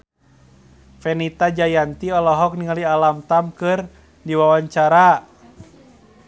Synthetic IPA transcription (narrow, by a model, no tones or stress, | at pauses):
fɛnit̪ad͡ʒajant̪iɔlɔɦɔk̚niŋalialamt̪amkɨr | diwawaɲt͡ʃaɾa